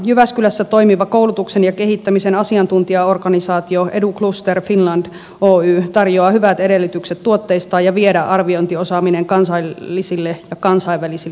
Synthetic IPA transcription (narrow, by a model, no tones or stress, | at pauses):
jyʋæskylæsːæt̪oimiʋɑkoulut̪uksenjɑke̞ɦit̪ːæmisenɑsiɑnt̪unt̪iɑo̞rkɑnisɑːt̪ioʔeduklust̪erfinlɑnd̥ | oːyːt̪ɑrjoɑhyʋæt̪eɾelːyt̪ykset̪tuot̪ːeist̪ɑːjɑʋiedæʔɑrʋiont̪iosɑːmineŋkɑnsɑiːisilːejɑkɑnsɑiʋːælisi